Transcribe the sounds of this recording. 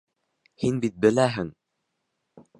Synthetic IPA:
hinbit̪̚bɘ̆læɦɘŋ

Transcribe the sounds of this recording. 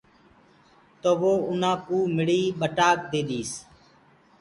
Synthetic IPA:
t̪oːʋoːʊnãːkuːmɪɽiːɓəʈaːk̚d̪eːɗ̪iːs

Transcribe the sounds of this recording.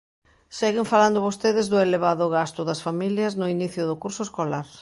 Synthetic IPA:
seɣɪɱfaland̪ʊβost̪eðɪzðʊeleβaðʊɣast̪ʊðɐsfamiljɐznʊiniθjʊðʊkuɾsʊeskolaɾ

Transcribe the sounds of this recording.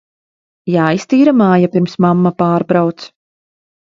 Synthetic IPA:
jaːist̪iːɾamaːjapʲiɾmsmamːapaːɾbɾawt̪s

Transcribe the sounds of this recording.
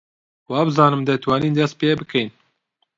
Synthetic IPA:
wɑːbɨzɑːnɨmd̪ɛt̪ʰwɑːniːnd̪ɛst̪̚peːbɨkʰɛjn

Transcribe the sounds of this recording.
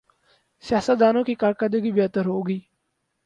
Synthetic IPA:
sɪjaːsət̪̚d̪aːnõːkiːkaːɾkəɾd̪əɡiːbeːt̪əɾɦoːɡiː

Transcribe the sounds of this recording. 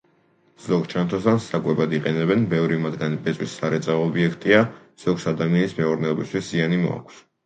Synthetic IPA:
z̥ɔɡt͡ʃʰant̪ʰɔsansakʼwɛbad̪iqʼɛnɛbɛnbɛvɾimad̪ɡanibʼɛtsʼwisːaɾɛt̪sʼaɔːbiɛkʰt̪ʼia | z̥ɔɡsad̪amianismɛuɾnɛɔbist̪ʰwiszianimɔ̰a̰kʷʰs

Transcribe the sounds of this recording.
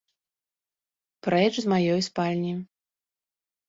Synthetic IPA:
pɾɛt͡ʂzmajɔjspalʲnʲi

